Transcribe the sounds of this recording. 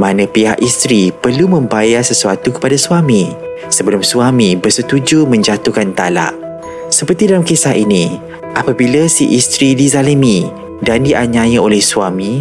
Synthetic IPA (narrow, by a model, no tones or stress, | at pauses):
mãnə̃piɦa̰ʔist̪ɾipərlumə̃mbajarsəsuat̪ukə̥padasuamĩ | səbəlʊmsuamĩbərsət̪ud͡ʒumə̃ɲd͡ʒat̪ukant̪a̰la̰ʔ | səpərt̪idalamkesaʔinĩ | ʔapabilasiʔist̪ɾidizaləmi | dandiʔaɲãjəolɛhsuamĩ